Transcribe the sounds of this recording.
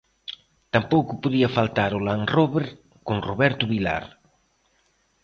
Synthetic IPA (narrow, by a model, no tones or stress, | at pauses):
t̪ampowkʊpoðiɐfalt̪aɾʊlaŋroβeɾ | koŋroβɛɾt̪ʊβila̰ɾ